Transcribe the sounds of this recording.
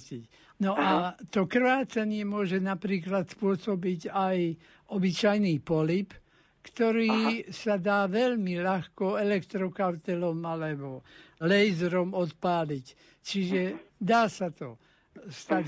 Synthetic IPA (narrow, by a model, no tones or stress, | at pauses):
ic | nɔʔat̪ɔkr̩ʋaːt͡saɲɪɛmʊɔʒɛnapɾiːklat̪spʊɔsɔbiɟaj | ɔbit͡ʃajniːpɔlip | kt̪ɔɾiːsad̪aːʋɛlmilaxkɔɛlɛkt̪ɾɔkaʊt̪ɛlɔmalɛbɔlɛjzɾɔmɔt̪paːlic | t͡ʃiʒɛd̪aːsat̪ɔ | st̪a